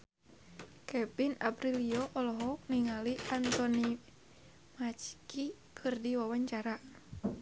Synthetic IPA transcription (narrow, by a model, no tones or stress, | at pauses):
kʰɛpina̰pɾiliɔʔɔlɔɦɔk̚niŋaliant̪ɔni | mat͡ʃkikʰɨrdiwawaɲt͡ʃaɾa